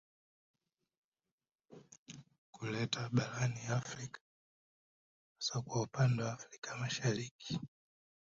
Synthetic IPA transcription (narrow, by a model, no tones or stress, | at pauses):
kulɛtʰaɓaɾaniafɾikḁ | asakwaupandɛwaːfɾikamaʃaɾiki̥